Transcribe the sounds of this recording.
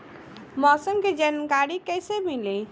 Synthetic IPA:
mɔsəmked͡ʒankaɾikəjsemili

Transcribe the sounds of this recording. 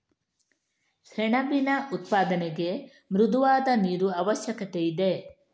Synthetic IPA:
ʃɛɳɐbinɐʔut̪paːd̪ɐneɡe̞ | mɾud̪uʋaːd̪ɐniːɾuɐʋɐʃjɐkɐt̪eid̪e̞

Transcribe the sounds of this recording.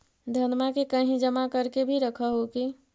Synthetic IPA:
d̪ʱənmakekəɦĩd͡ʒəmakəɾkebʱiɾəkʰəɦoki

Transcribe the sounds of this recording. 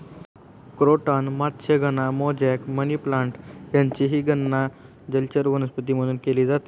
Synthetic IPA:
kɾoʈanmat̪ɕʰeɡʱənamɔd͡ʑɛkməniplãɳʈjãɲt͡ɕiɦiɡənːa | d͡ʑəlt͡ɕəɾʋənəspət̪iməd̪uːnkeliːd͡zat̪i

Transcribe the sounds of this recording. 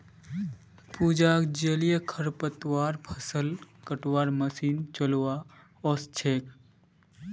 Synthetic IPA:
pud͡ʒaːkd͡ʒəlijəkʰəɾpət̪waːɾpʰəsəlkəʈwaːɾməsiːnt͡ʃəlwa | ost͡ʃʰeːk̚

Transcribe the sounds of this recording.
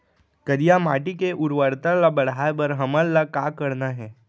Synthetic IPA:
kəɾijamaːʈikeʔʊɾʋəɾt̪əlabɐɽ̤aːebəɾɦɐməlːakaːkəɾnaɦɛː

